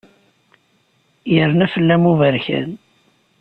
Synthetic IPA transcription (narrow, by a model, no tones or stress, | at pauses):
jəɾnæfəlːæmuvəɾçæ̰n